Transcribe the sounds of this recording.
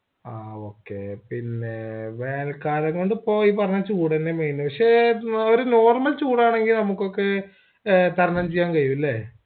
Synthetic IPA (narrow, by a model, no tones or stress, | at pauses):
aːo̞ːkːepinːeʋeːlkaːɾɐŋko̞ɳɖɨpːo̞ːjipɐrɐɲːaɐt͡ɕuːɽenːemeːjnupɐkʂe̞oɾuno̞ːrmɐlt͡ɕuːɽaːɳe̞ŋɡilnɐmukːo̞kːe | t̪ɐɾɐnɐmt͡ɕejːaːnkɐjuʋilːe